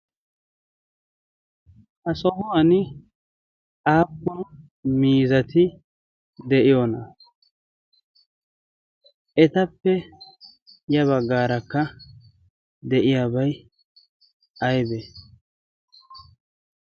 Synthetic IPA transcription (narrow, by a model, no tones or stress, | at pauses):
hɐsɔmʊwɐnɪ | ʔaːpːɔn | miːzɐt̪ɪ | d̪ɛʔɪjonɐ | ʔɛt̪ɐpːɛ | jɐβɐɡːaːɾɐkːɐ | d̪ɛʔɪjaːbɐj | ɐjbɛ